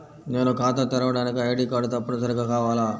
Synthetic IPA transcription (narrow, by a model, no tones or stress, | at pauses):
ne̞ːnukaːt̪ɐt̪ɛɾɐʋɐɽaːnikiɐjɐɖiːkaːɖut̪ɐpːunɐs̬ɐɾiɡaːkaːʋaːlaː